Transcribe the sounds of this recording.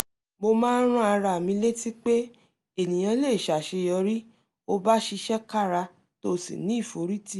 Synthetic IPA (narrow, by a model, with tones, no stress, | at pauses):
mo˧mãː˦n˦ɾ̃ũ˦a˧ɾa˨mĩ˨˧˦le˦ti˦k͡pe˦ | e˨nĩ˨j̃ã˧˦le˦˨ʃa˨ʃe˧jɔ˧ɾi˦ | o˧ba˦ʃi˧ʃɛ˦ka˦˨ɾa˧ | to˦˨sḭ˨nĩ˦i˦˨fo˨˦ɾi˦ti˦˨